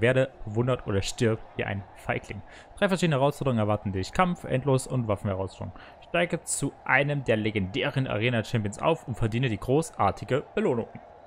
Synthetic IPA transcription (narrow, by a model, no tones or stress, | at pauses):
veːɐɾəb̥əvʊndɐtʔo̰ːdɐʃtɪɐp̚tv̥iːʔa̰ɪnfaɪkʰlɪŋ | d̥ʁaɪfɛɐʃiːdnəhɛɐʁaʊsfɔʁdəʁʊŋnɛɐvaɐtn̩dɪçkʰamfʔɛ̰ntloːsʊntv̥af̩hɛʁaʊsfɔdʁʊ̰ŋ | ʃtaɪɡət͡suʔaɪnəmdeːɐleɡɛndɛːʁənʔa̰ʁeːnat͡ʃɛmpiənsʔa̰ʊfʊntfɛɐdiːnədiːɡʁoːsʔa̰ːɐtʰɪɡəb̥əloːnʊ̰ŋ